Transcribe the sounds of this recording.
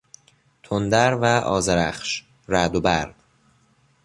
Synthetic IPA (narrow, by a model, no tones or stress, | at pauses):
t̪ʰond̪æɾvæʔɒ̰ːzeɾæχʃ | ɾæd̪obæɾd̪̥